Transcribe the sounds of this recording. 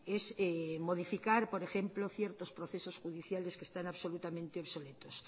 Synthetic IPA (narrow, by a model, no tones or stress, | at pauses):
esemoð̞ifikaɾpoɾexemploθjeɾt̪ospɾoθesosxuðiθjaleskest̪anaβsolut̪amẽnt̪eoβsolet̪os